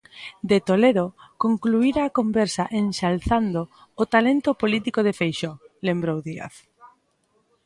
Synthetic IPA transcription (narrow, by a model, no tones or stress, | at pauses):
d̪et̪oleðokoŋkluiɾaːkombɛɾsaʔensalθand̪oːt̪alent̪opolit̪ikoðefejʃɔlembɾowðia̰θ